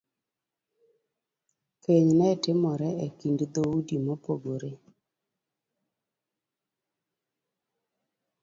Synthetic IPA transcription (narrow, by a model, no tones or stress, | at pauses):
keɲnɛtɪmɔɾɛekindd̪oudimopoɡoɾe